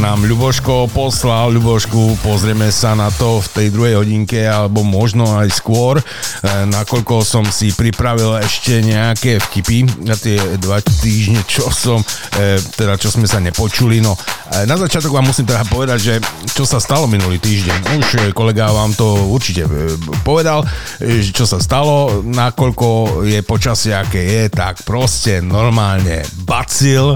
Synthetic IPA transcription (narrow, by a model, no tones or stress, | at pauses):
naːmʎubɔʃkɔpɔslalʎubɔʃkupɔzɾɪɛmɛsanat̪ɔft̪ɛjd̪ɾuɦɛjɦɔɟiŋkɛalɛbɔmɔʒnɔajskʊɔɾ | nakɔʎkɔsɔmsipɾipɾaʋilɛʃcɛɲɛakɛfkipiat̪ɪɛd̪ʋat̪iːʒɲɛt͡ʃɔsɔmt̪ɛd̪at͡ʃɔsmɛsaɲɛpɔt͡ʃulinɔnazat͡ʃɪat̪ɔɡʋaːmːusiːmt̪ɛd̪apɔʋɛd̪aɟʒɛt͡ʃɔsast̪alɔminuliːt̪iːʒɟɛɲuʃkɔlɛɡaʋaːmt̪ɔuɾt͡ʃicɛ̰pɔʋɛd̪al | ʒɛt͡ʃɔsast̪alɔnakɔʎkɔjɛpɔt͡ʃasɪɛakɛjɛt̪akpɾɔscɛnɔɾmaːlɲɛ̰bat͡sil